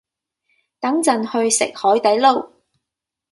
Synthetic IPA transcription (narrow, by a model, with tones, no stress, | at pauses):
t̪ɐ˨˥ŋt͡sɐ˨nhɵ˧ɥsɪ̰˨k̚hɔː˨˥jt̪ɐ˨˥jlo˨w